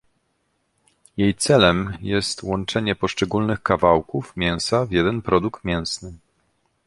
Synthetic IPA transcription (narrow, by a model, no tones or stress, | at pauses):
jejt̪sɛlɛmjɛst̪wɔnt͡ʂɛɲɛpɔʂt͡ʂɛɡulnɘxkavawkufmʲjɛ̃w̃savʲjɛd̪ɛnpɾɔd̪ukt̪mʲjɛ̃w̃snɘ